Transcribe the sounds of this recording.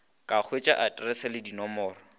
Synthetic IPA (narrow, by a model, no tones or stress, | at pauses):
kʼak͡xʰwet͡ʃʼaʔatʼrɛsɛlɪdinɔmɔːrɔ